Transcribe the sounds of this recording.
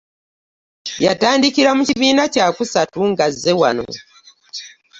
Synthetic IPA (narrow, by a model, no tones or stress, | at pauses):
jataːndikiɾamuciβiːnacaːkusatuŋɡazːe̞wa̰no̞̰